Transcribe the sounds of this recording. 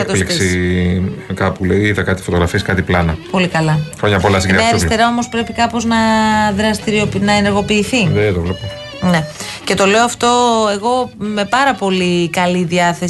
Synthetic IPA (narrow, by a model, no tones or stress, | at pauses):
liksi | kɐpuleiðɐkɐt̪i̥fo̞t̪oɣɾɐfieskɐt̪iplɐnɐpo̞likɐlɐxɾoɲɐpolɐs̬iɡɾneɐɾist̪e̞ɾɐo̞mospɾe̞pikɐpo̞znɐðɾɐst̪iɾiopnɐeneɾɣo̞piːθiðet̪ovlepo | ne̞ce̞t̪o̞le̞oɐft̪o̞e̞ɣo̞me̞pɐɾɐpo̞likɐliðiɐθe̞s